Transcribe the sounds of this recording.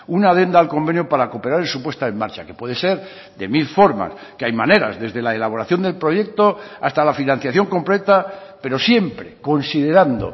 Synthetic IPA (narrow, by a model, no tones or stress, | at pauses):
unaðe̞nd̪aːlko̞mbe̞njopaɾako̞pe̞ɾaɾelsupwe̞st̪aemːaɾt͡ʃake̞pwe̞ðe̞se̞ɾ | d̪e̞milfo̞ɾma̰s | keajmãne̞ɾa̰zðe̞zðe̞laelaβ̞o̞ɾaθjo̞nd̪e̞lpɾo̞ʝe̞k̚t̪oa̰st̪alafinãn̟θjaθjo̞ŋko̞mplet̪ape̞ɾo̞sje̞mpɾe̞ko̞nsiðe̞ɾand̪o̰